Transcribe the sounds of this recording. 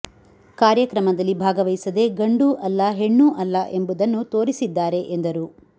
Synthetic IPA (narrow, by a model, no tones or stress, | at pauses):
kaːɾjɐkɾɐmɐd̪ɐlːibʱaːɡɐʋɐjsɐd̪e̞ɡɐɳɖuːʔɐlːɐɦeɳːuːʔɐlːɐʔe̞mbud̪ɐnːut̪o̞ːɾisid̪ːaːɾe̞ʔend̪ɐɾuː